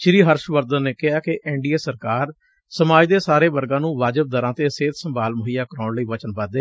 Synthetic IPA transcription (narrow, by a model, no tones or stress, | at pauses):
ʃɪɾiːɦəɾʃʋəɾd̪ənːeːkɪɦaːkɪʔɛːɳɖiːeːsəɾkaːɾ | səmaːd͡ʒd̪eːsaːɾeːʋəɾɡãːnũːʋaːd͡ʒəb̚d̪əɾãːt̪eːseːt̪səmbaːlməɦiːjaːkəɾɔːɳləiːʋət͡ʃənbaːd̪eː